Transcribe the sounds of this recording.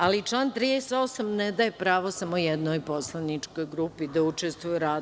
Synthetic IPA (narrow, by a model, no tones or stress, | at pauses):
alit͡ʃlˠaːnt̪ɾiːd̪est̪o̞samnɛd̪ajepɾaːʋosamojɛd̪nojpo̞slˠanit͡ʃko̞jɡɾupid̪aut͡ʃest̪ʋujɛɾaː